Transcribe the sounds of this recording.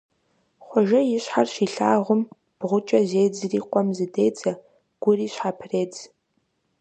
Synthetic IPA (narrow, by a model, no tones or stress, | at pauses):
χʷɔʒɐjɪɕħarʃiːɬaːʁʷʊm | b̥ʁʷʊt͡ʃʼɐzejd͡zɨriːqʷʼɔmzɨdeːjd͡zɐ | ɡ̥ʷʊriːɕħapʰreːd͡z